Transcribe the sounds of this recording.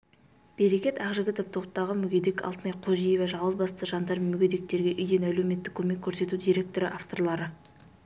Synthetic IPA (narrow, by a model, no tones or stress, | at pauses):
b̥eɾe̞kʲe̞t̪ɑʁʒɪɡʲɪt̪ʰɪp̚t̪ʰo̞qt̪ɑʁəmʏɡʲe̞d̪ekɑ̰lˠt̪ənɑjqʰoʒijevɑʒɑlˠʁəzbɑst̪əʒɑnd̪ɑɾmʏɡʲe̞d̪e̞k̚t̪e̞ɾɡʲe̞ʔʏjd̪e̞næle̞wme̞t̪ːɪkʲʰːɵme̞kʲʰːɵɾse̞t̪ud̪iɾe̞k̚t̪o̞ɾɪʔaft̪o̞rlˠɑɾə